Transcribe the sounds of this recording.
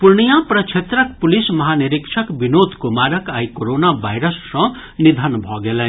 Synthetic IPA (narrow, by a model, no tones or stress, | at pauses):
puɾɳijapɾʌt͡ʃʰet̪ɾʌk̚pulismʌɦaniɾikt͡ʃʰʌkbinod̪ʱkomaɾʌkajkoɾonabʱajɾʌsːʌ̃ | nid̪ʱənbʱʌɡelã